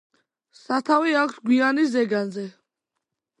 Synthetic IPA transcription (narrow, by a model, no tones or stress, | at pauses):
sat̪ʰaviakʷʰsɡwianizɛɡanzɛ